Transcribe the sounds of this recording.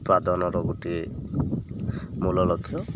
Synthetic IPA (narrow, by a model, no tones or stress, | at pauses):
pɾad̪ɔnɔɾɔɡuʈi | mulɔlɔkʰːjɔ